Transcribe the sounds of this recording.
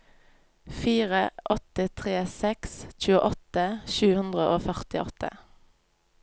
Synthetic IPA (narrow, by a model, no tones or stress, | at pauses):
fiːʁəʔɔt̪ət̪ʰʁeːsɛksc͡çʉːəʔɔt̪əʃʉːhʉnd̪ʁəʔoːfœʁt̪ɪʔɔt̪ʰə̰